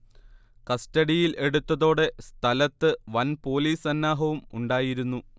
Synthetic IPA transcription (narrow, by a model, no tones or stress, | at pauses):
kɐstɐɽijile̞ɽut̪ːɐðo̞ːɽe̞st̪ʰɐlɐt̪ːɨʋɐnpo̞ːliːsɐnːaːɦɐʋumuɳɖaːjiɾunːu